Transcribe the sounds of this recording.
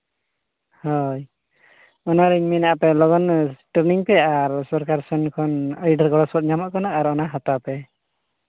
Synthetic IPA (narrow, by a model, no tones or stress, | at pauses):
hɔj | ɔnaɾiŋminaapɛlɔɡɔnsʈəɾniŋpɛaɾsɔɾkaɾsɔnkʰɔnəjɖəɾɡɔɽɔsɔt̪̚ɲamaʔkɔnaːɾɔnaɦɔt̪apɛ